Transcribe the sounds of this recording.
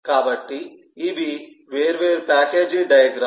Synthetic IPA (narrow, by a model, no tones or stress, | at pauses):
kaːbɐʈːiː | bi | ʋeːɾʋeːɾpaːkeːd͡ʒiɖɐjɐɡɾaː